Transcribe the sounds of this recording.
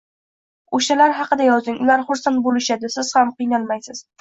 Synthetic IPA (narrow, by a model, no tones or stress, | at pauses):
oʃalaɾɦɑqɨd̪ajɒzɪŋʔʊlaɾχʊɾsant̪̚bolɪʃad̪ɪsɪz̥hamqɨjnalˠmajsɪz̥